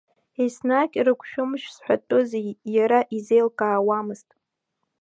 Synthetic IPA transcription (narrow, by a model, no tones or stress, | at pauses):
esnakʲʼrɨkʷʰʃᶣʊmʃsħʷᶣatʼozijaɾaʔizejlkʼaːwamɨztʼ